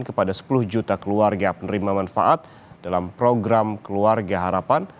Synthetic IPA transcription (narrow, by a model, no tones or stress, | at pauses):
nkəpadasə̥pulʊhd͡ʒut̪akəluarɡapənɾimamanfa̰ʔat̪̚ | d̥alampɾoɡɾamkəluarɡaɦaɾapan